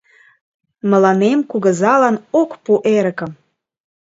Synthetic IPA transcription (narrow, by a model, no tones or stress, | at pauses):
mə̆lɑnemkuɣə̆zɑlɑnokpuʔeɾə̆kə̆m